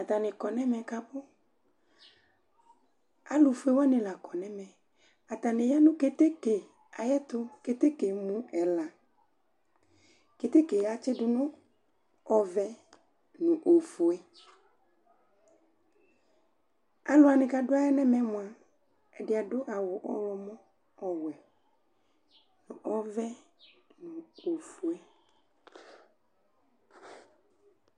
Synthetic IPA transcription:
a˨t̪a˨nɪ̃˨kɔ˨nɛ̃˦mɛ̃˨ka˦bʊ˦ | a˦lʊ˨fu˦e˦wɔ˦nɪ̃˨la˨kɔ˨nɛ̃˦mɛ̃˨ | a˨t̪a˨nɪ̃˨ja˦nʊ̃˦ke˨t̪e˦ke˨ | a˨jɛ˦t̪ʊ˦ke˨t̪e˦ke˨mũ˦ɛ˨la˨ | ke˨t̪e˦ke˨a˨t͡ʃɪ˦ɖʊ˨nʊ̃˦ | ɔ˨vɛ˦ | nũ˨ʔo˨fo˨e˦ | a˨lʊ˨˦a˨nɪ̃˨ka˨dʊ˦a˦ɛ˦nɛ̃˦mɛ̃˦mʊ̃˨a˨ | ɛ˨dɪ˨a˨dʊ˦ʔa˨wʊ˨ʔɔ˦lɔ˨mɔ̃˦ | ɔ˨wɛ˨ | nʊ̃˨ʔɔ˦vɛ˦nʊ̃˨o˨fu˨e˦

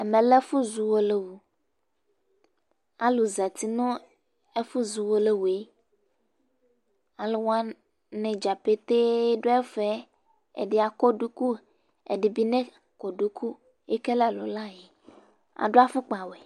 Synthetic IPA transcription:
ɛ˨mẽ˨le˦fu˦zu˨wo˦le˦wu˨ | a˦lu˨za˨t̪i˦nɔ̃˦ | e˦fu˦zu˨wo˦le˦wu˨e˦ | a˨lo˨wa˦ | nɛ̃˨d͡ʒa˨pe˦t̪e˦ɖo˦ɛ˦fɛ˦ | ḛ˨ɖe˨a˨kɔ˦ɖu˦ku˦ | ḛ˨ɖi˨bi˦nɛ̃˦ | kɔ˨ɖu˦kʰu˦ | e˦ke˦lɛ˦˨lo̰˨la˦je˨ | a̰˨ɖo˦a˦fu˦k͡pa˨wɛ˨

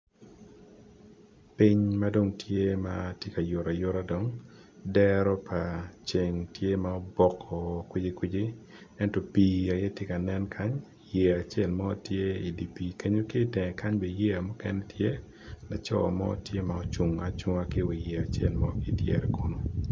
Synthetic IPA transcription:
pi˦ɲma˦do˦ŋtʰje˦ma˦tje˦ka˨jo˨ɾʔa˨jo˦ɾa˦do˨ŋ | dɛɾɔ˦pʰa˨t͡ʃe˨ŋtje˦maɔ˦bɔ˨kʰɔ˨kwɪ˦d͡ʒɪ˦kwɪ˦d͡ʒɪ˦ | ɛ˦ntɔ˦pi˨a˨jɛ˦tje˦ka˨nɛ˦nkʰa˦ɲ | je˨a˨t͡ʃe˦˨lmɔ˦tje˦i˨di˨pi˨ke˦ɲo˦kɪ˦˨tɛ˨ɛ˨ka˦ɲbe˨je˦a˨mɔ˦kɛ˦nɛ˦tʰje˦ | la˨t͡ʃɔ̰˦ɔ̰˨mɔ̰˦tje˦maɔ˦t͡ʃu˨ŋa˦t͡ʃu˦ŋa˦kɪ˦wi˨je˨a˨t͡ʃje˦˨lmɔ˦kɪ˦tjɛ̰˨ɾɛ˨ko˦no˦

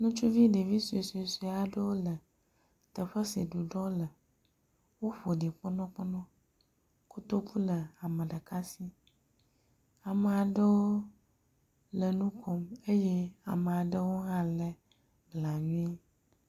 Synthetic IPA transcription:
nũ˦t͡ʃu˦vi˦ɖe˨vi˦su˨e˨su˨e˨su˨a˨ɖə˦wo˦lə˨ | t̪ə˨ɸə˦si˨ɖu˨ɖɔ˦lə˨ | wo˦ɸo˨ɖi˨k͡pɔ˦nɔ̃˦k͡pɔ˦nɔ̃˦ | ku˦t̪o˦ku˦lə˨a˨mə̃˨ɖə˨ka˦si˦ | a˨mə˨a˨ɖə˦wo˦ | lə˨nũ˦kʰɔ˦me˦je˦a˨mə˨a˨ɖə˦wo˦ɦã˦lə˦ | bla˨ɲũ˦i˦

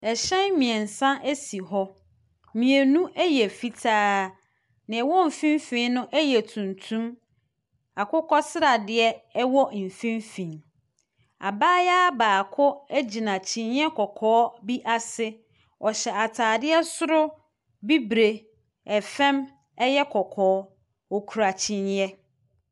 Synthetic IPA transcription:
ɛ˨ɕɛ̃˦nmĩ˨ɛ˨n̩˨sã˦ʔæ˦si˨ɦɔ˦ | mĩ˨e˨nũ˦ʔɛ˦jɛ˨fi˦tʰaː˦ | nɪ̃˨ɛ˨wɔ˦m̩˨fĩ˦mfĩ˦nʊ̃˦ʔɛ˦jɛ˨tʰũ˨ntʰũ˦m | a˨kʰʊ˦kʰɔ˦sɪ˦ɾa˨dɪ˨ɛ˦wɔ˦˨m̩˨fĩ˦mfĩ˨ | a̰˨baː˦jaː˦baː˨kʰʊ˦æ˦d͡ʑi˨nã˨t͡ɕʰĩ˨n˦ɛ˦kʰɔ˨kʰɔː˦bi˦ʔa˦sɪ˦ | ɔ˨ɕɛ˨a˨tʰaː˨dɪ˦ɛ˦sʊ˦ɾʊ˦ | bi˦bɾe˨ | ɛ˨fɛ̃˦m | ɛ˦jɛ˦kʰɔ˨kʰɔː˦ | ɔ˨kʰu˨ɾa˨t͡ɕʰĩ˨ɲ˦ɛ˦

